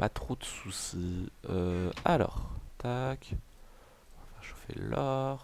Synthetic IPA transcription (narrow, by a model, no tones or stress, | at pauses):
pat̪χod̪əsusiøalɔ̰ʁt̪ak | ɔ̃vafɛʁʃofḛlɔʁ